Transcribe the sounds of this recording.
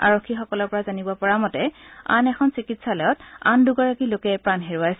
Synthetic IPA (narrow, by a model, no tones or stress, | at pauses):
a̰ɹokʰːixɔkɔlɔɹpɔɹazanibɔpɔɹamɔtɛa̰nɛxʰɔnsikitsalɔjɔtanduɡaɹakilokɛpɹanɦeɹuajsɛ